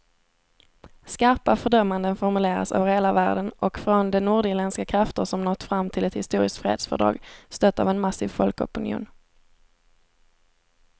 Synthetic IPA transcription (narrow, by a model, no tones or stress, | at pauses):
skaɾpafœɖœmːand̪ənfɔɾmɵleːɾa̰sœ̰ːvəɾheːlavæːɖənʔɔkfɾɔnd̪ɛnuːɖɪɾlɛnskakʰɾaft̪əsɔmnɔt̪ːfɾamːt̪ʰɪlɛt̪hɪ̰st̪uːɾɪskt̪fɾḛːd̪sfœ̰ɖɾɑ̰ːɡst̪œt̪ːa̰ːvɛnmasiːvfɔlkɔ̰pɪnɪṵːn